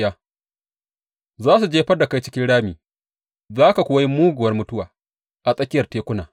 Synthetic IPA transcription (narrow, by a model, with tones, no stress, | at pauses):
jaː˦ | zaː˦su˨d͡ʒeː˦ɸɐ˦rda˨ka˦jt͡ʃɪ̥˦kʲɪ˦nɽaː˦miː˨ | zaː˦ka˨kʷʊ˨˦wa˦ji˦muː˦ɡʷʊ˨ɐ˦rmʊ˦tʊ˦waː˨ | ʔa˨sʼɐ˦kʲɪ˦jɐ˨rteː˦kʷʊ˦naː˨